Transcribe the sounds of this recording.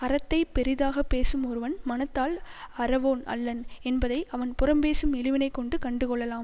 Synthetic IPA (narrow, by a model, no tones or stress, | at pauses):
ɐɾɐt̪ːɐɪpɛɾɪðaːɣɐpːeːsɯmɔɾɯʋɐnmɐnɐt̪ːaːl | ɐɾɐʋoːnɐ̰lːɐnɛnbɐðɐɪʔɐʋɐnpʊrɐmbeːsɯmɪlɪʋɪnɐɪkːɔɳɖɯkɐɳɖɯkɔɭːɐlaːm